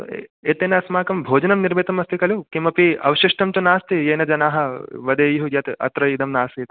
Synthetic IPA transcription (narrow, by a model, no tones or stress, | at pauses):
eːt̪eːnɐɐsmaːkɐmbʱoːd͡ʒɐnɐmniɾbet̪ɐmɐst̪ikɐlukimɐpiɐʋɐʃiʂʈɐmt̪unaːst̪ijeːnɐd͡ʒɐnaːɦɐʋɐd̪ɐːjuɦujɐt̪ɐ̰t̪ɾɐid̪ɐmnaːst̪it̪